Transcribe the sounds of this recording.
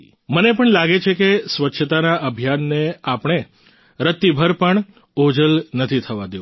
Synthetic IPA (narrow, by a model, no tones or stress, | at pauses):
mənepəɳlaɡet͡ʃʰekesʋətːʃʰət̪anaʔəbʱijanːeapɳ̃e | ɾət̪ːibʱəɾpəɳ | od͡ʒəlnət̪ʰit̪ʰəʋad̪jo